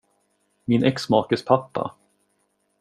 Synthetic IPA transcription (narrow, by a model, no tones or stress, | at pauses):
mɪnʔɛksmɑːkəspʰapːa̰